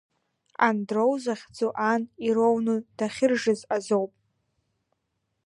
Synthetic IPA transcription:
a̰ndrowzaχʲd͡zuʔaniɾownud̥aχʲɪrʐɨzazowpʼ

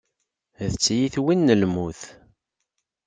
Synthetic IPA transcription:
ðət͡sːjiθwinːəlmuθ

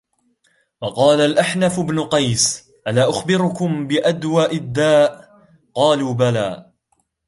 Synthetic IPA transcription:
wɑqɑːlalʔaħnafʊbnʊqɑjs | ʔalaːʔʊxbɪɾʊkʊmbɪʔad̪waːʔɪd̪ːaːʔ | qɑːluːbalaː

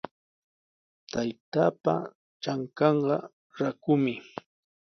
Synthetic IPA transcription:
t̪ajt̪aːpa̰ | t͡ʃaŋkɑɴɢɑ | ɾakʊmɪ

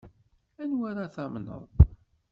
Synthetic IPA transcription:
ænwaɾaθæmnə̰ðˤ

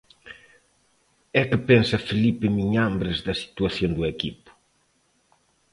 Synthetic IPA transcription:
ɛkɪpɛnsɐfelipɪmiɲambɾɪzd̪ɐsi̥t̪wɐθjond̪uɛkipʊ̥

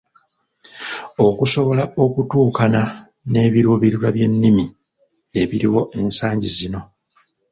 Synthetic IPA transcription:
o̞kuso̞βo̞laʔo̞kutuːkana | ne̞ːβiɾuːβiɾiɾwaβje̞nːimi | e̞βiɾiwo̞ʔe̞nsaːɲɟizino̞

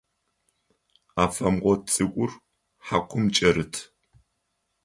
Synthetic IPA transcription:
aːfɐmʁʷɔt͡sʼɨkʷʼʊr | ħakʷʰʊmt͡ʃʼɐɾɨtʰ

